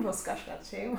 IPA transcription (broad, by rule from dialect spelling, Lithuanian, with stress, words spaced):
ˈboːs kɐʃˈkɐt ˈʃʲɛɪm